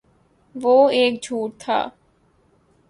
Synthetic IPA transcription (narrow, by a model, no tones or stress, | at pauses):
ʋoːeːk̚d͡ʒʱuːʈ̚t̪ʰa̰ː